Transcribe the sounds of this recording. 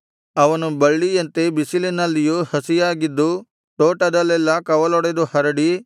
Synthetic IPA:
ɐʋɐnubɐɭːijɐnt̪ebisilinɐlːijuhɐsijaːɡid̪ːu | ʈoːʈɐd̪ɐlːɛlːɐkɐʋɐlɔɽed̪uhɐɾɐɽi

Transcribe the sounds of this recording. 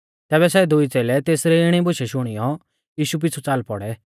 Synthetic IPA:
t̪ɛːbɛsɛd̪ʊit͡seːlɛt̪eːsɾɛɪɽ̃ibʊʃɛʃʊɽ̃ijɔ | jiːʃup̬ɪt͡sʰut͡saːlpɔ̰ɽɛ

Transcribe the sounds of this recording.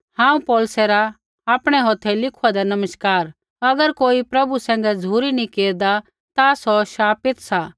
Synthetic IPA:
hãːũpɔːlsɛɾa | aːpɽ̃ɛɦɔːt̪ʰːɛlɪkʰuad̪ɛnɐməʃkaːɾ | ɐɡəɾkoːipɾɐbusɛ̃ːŋ̆ɡɛd͡zʱuːɾinĩkeːɾd̪a | t̪asɔʃaːpɪt̪sa

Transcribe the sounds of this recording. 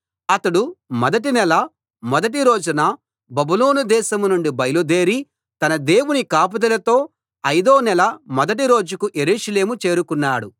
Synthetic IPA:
ɐt̪ɐɽumɔd̪ɐʈ̬inɛlɐ | mɔd̪ɐʈ̬iɾo̞ːd͡ʒunɐ | bɐbulo̞ːnud̪ɛːʃɐmnuɳɖibɐjlud̪e̞ːɾi | t̪ɐnɐd̪e̞ːwunikaːp̬ɐd̪ɐlɐt̪o̞ː | ɐjd̪oːnɛlɐmɔd̪ɐʈ̬iɾo̞ːd͡ʒukuʔe̞ɾuːʃɐle̞ːmut͡ʃe̞ːɾukunːaːɽu

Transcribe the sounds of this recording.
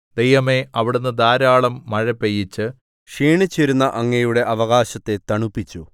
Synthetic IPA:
d̪ejʋɐme̞ʔɐʋiɽenːɨd̪aːɾaːɭɐmːɐɻɐpːejit͡ɕːɨ | ʂiːɳit͡ɕːiɾunːɐʔɐŋːɐjuɽe̞ʔɐʋɐɣaːɕɐt̪ːe̞t̪ɐɳupːit͡ɕːu

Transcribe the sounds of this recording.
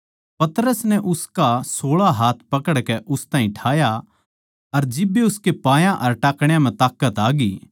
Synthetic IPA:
pɐt̪ɾəsnɛʔʊskasoːɭaɦaːt̪ʰpɐkəɽkɛʔʊst̪ãːɦĩʈʰaːja | ɐɾd͡ʒɪbːeʊskepãːjãʔɐɾʈaːkɽ̃jãm̤ɛ̃t̪aːkːət̪aːɡi

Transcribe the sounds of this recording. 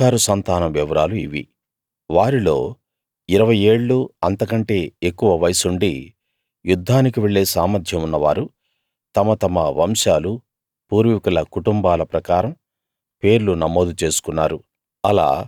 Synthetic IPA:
aːɾusɐnt̪aːnɐmʋɛʋɐɾaːluiʋḭ | ʋaːɾilo̞̰ː | iɾɐʋɐje̞ːɭːuɐnt̪ɐkɐɳʈe̞ːekːuʋɐʋɐjɐsuɳɖi | jud̪ʱːaːnikiʋeɭːe̞ːsaːmɐd̪ʱjɐmunːɐʋa̰ːɾu | t̪ɐmɐt̪ɐmɐʋɐmʃaːlu | puːɾʋikulɐkuʈumbaːlɐpɾɐkaːɾɐm | pe̞ːɾlunɐmo̞ːd̪ut͡ʃe̞ːsu̥kunːaːɾu | ɐla̰ː

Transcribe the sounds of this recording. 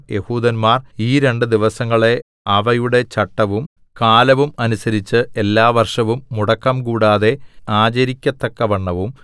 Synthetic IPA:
je̞huːd̪ɐnmaːriːɾe̞ɳɖɨd̪iʋɐsɐŋːɐɭe̞ | ɐʋɐjuɽe̞t͡ɕɐʈːɐʋum | kaːlɐʋumɐnusɐɾit͡ɕːɨe̞lːaːʋɐrʂɐʋumːuɽɐkːɐmkuːɽaːðe̞aːt͡ɕɐɾikʲːɐt̪ːɐkːɐʋɐɳːɐʋum

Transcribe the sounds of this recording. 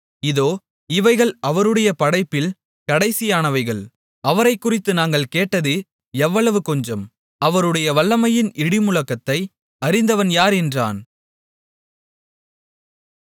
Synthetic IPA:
ɪðoː | ɪʋɐɪɣɐɭɐʋɐɾɯɽɐjɐpɐɽɐɪpːɪl | kɐɽɐɪsɪjaːnɐʋɐɪɣɐɭ | ɐʋɐɾɐɪkːʊrɪt̪ːɯnaːŋɡɐɭkeːʈːɐðɯ | ɛʋːɐɭɐʋɯkɔɲd͡ʒɐm | ɐʋɐɾɯɽɐjɐʋɐɭːɐmɐjɪnʔɪɽɪmʊɭɐkːɐt̪ːɐɪ | ɐɾɪnd̪ɐʋɐnjaːɾɛndra̰ːn

